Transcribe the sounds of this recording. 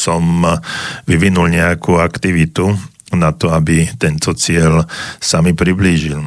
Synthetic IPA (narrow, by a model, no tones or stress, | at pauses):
sɔm | ʋiʋinulɲɛjakuːakt̪iʋit̪u | nat̪ɔabit̪ɛnt̪ʰɔt͡sɪɛlsamipɾibliːʒil